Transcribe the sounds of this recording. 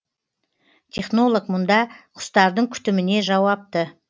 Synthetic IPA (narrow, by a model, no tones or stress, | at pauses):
t̪ʲʰe̞χno̞lˠokmʊnd̪ɑqʰʊ̥st̪ɑɾd̪əɴkʲʰʏ̥t̪ɪmɪne̞ʒɑwɑp̚t̪ə